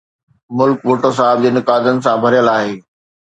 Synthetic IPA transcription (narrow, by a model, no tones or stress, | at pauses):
mʊlkʋoːʈəs̬aːɦɪb̚d͡ʑeːnɪkaːd̪ənɪ̆sãbʱɐɾijəlaːɦeː